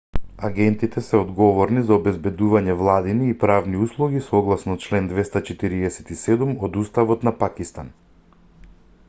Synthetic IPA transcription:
aɡɛnt̪it̪ɛsɛɔd̪ɡɔvɔɾnizaɔbɛzbɛd̪uvaɲɛvlˠad̪iniːpɾavniuslˠuɡisɔɡlˠasnɔt͡ʃlɛnd̪vɛst̪at͡ʃɛt̪iɾiɛsɛ̥t̪isɛd̪umɔd̪ust̪avɔt̪napakist̪an

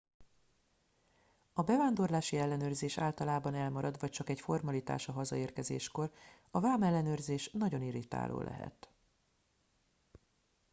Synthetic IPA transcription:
ɒbɛvaːnd̪orlaːʃiɛlːɛnøːrzeːʃa̰ːlt̪ɒlaːbɒnɛlmɒɾɒd̪ʋvɒc̚t͡ʃɒkɛcfo̞rmɒlit̪a̰ːʃɒɦɒzɒ̰eːrkɛzḛːʃko̞r | ɒvaːmɛlːɛnøːrzeːʃnɒɟo̞niɾit̪a̰ːlʔo̰ːlʔɛ̰ɦɛ̰t̪

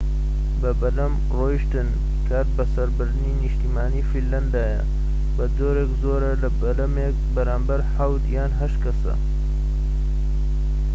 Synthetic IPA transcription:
bɐbɐd̪ɐm | roːjʃt̪ɨn | kʰaːt̪̚bɐsɐɾbɨɾd̪ɨniniʃt̪iːmaːniːfilːɐnd̪aːjɐ̰ | bɐzoːɾeːkzoːɾɐlɐbɐd̪ɐmek̚bɐɾaːmbɐɾħawt̪jaːnɦɐʃt̪kɐsɐ̰

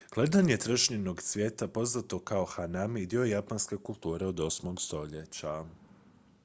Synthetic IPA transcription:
ɡ̥le̞d̪aɲe̞t̪ɾəʃɲeno̞ɡsʋje̞ːt̪apo̞znat̪o̞kao̞xanamid̪io̞japanske̞kulˠt̪uːɾeod̪o̞smo̞ɡst̪o̞ʎet͡ɕa

